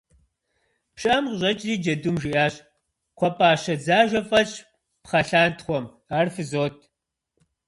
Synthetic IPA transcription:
pʃɕʼɐmqʑʼɐt͡ʃʼziːd͡ʒɐdumʒɪʔaːɕʼ | kʷʰɔpʼaːɕɐd͡zaːʒʷɐfʼɐɕʼ | pχɐɬaːntʰχʷɔm | aːrfɨzoːtʰ

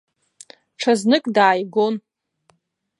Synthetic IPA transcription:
ʈ͡ʂʰaznɨkʼdaːjɡo̞n

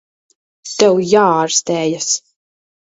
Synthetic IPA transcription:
t̪ɛwjaːaɾst̪ɛːjas

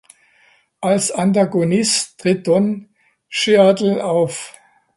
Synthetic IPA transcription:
ʔalsantaɡonɪstʁ̥ɪt̚d̥ɔn | ʃeadl̩ʔaʊf

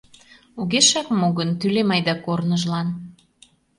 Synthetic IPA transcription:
uɣeʃɑkmoɣənt̪ylemɑjd̪ɑkornəʒlɑn

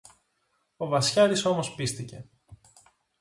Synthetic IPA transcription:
o̞vɐsçɐɾiso̞mo̞spist̪ice̞̰

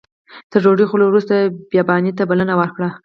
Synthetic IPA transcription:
t̪əɾʒoɖixolowɾust̪abjɑbɑnit̪abalənawəɾkɽa

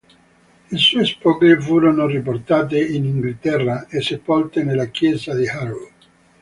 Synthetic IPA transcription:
isuespɔɡefuːɾonorip̬ort̪aːt̪̬einiŋɡlt̪ɛrːaesepːɔlt̪enelːakjɛːzad̪ihaɾu

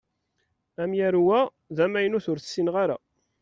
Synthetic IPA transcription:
æmjæɾwæ | ðæmæjənuθʊɾθə̥sːinʁaɾa̰

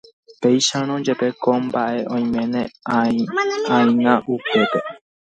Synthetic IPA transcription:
pejʃaɾ̃õd͡ʒepekombaʔe̞ʔõj̃mẽnẽa | ãĩŋãʔupe̞pe

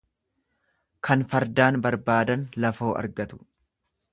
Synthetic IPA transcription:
kʰɐnfɐɾd̪aːnbɐɾbaːd̪ɐnlɐfo̞ːʔɐ̰ɾɡɐt̪ʊ̥

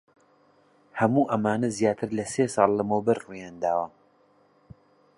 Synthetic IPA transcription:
hɐmuːʔɐmaːnɐzjaːt̪ʰɨɾlɐseːsɑlˠlɐmɐwbɐɾrujaːnd̪aːwɐ

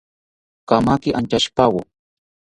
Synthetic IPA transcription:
kamakɪʔant͡ʃaʃpawʊ

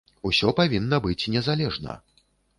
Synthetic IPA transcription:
usʲɔpavʲinːɐbɨt͡sʲnʲɛzalʲɛʐnɐ̰

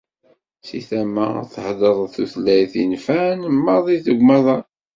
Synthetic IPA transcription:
sḭθæmæ̰θəħðˤəɾˤθuθlːæjθinfænəmːɑðˤiθəɡʷmɑðˤɑ

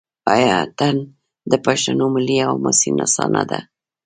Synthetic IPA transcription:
ɑjɑt̪an | d̪əpaʃt̪anomɪliawmʊsinasɑnad̪a

